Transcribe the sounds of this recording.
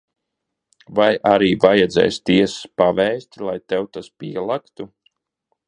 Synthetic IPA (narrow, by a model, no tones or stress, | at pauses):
vajʔaɾiːvajɛd̪zɛ̰jst̪iɛsspavɛːsʲt̪ʲlˠajt̪ɛwt̪aspiɛlˠakt̪u